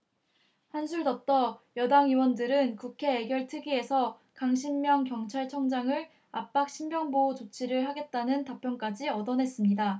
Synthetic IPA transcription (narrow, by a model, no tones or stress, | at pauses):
hansʰuɭdʌp̚t͈ʌjʌdaŋiwʌndɯɾɯnkukʰe̞ːɡjʌɭtʰɯɡie̞sʰʌ | kaŋɕʰimːjʌŋkjʌŋt͡ɕʰaɭt͡ɕʰʌŋd͡ʑaŋɯɭ | ap͈ak̚ɕ͈ʰimbjʌŋbot͡ɕot͡ɕʰiɾɯɭhaɡe̞t̚t͈anɯntapʰjʌŋk͈ad͡ʑiʌdʌnɦe̞s͈ɯmɲida